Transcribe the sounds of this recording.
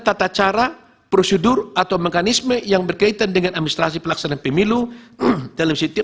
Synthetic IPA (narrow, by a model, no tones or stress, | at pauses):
t̪at̪at͡ʃaɾa | pɾosədʊrʔat̪awmekanisməjaŋbərkait̪andəŋanadminist̪ɾas̬ipəlaksananpəmilu | dalamsit̪i